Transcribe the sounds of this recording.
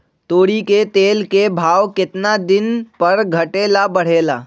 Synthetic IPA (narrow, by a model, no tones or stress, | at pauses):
t̪oːɽiket̪eːlkebʱaːwkɪt̪nad̪ɪnpəɾɡʱəʈeːlabəɽ̤eːla̰ː